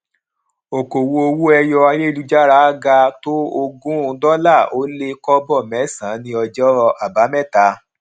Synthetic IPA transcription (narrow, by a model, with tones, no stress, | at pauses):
o˨ko˨wu˧o˧wu˦ɛ˧jɔ˧a˧je˦i˦˧lu˦d͡ʒa˦ɾa˦a˦ɡa˧to˦o˧ɡũ˦˧˦dɔ˦la˦˨o˨˦le˦kɔ˦bɔ˦˨mɛ̃˨˦˨sã˨˦nĩ˧ɔ˧d͡ʒɔ˦˧a˨ba˨˦mɛ˦˨ta˨˧˦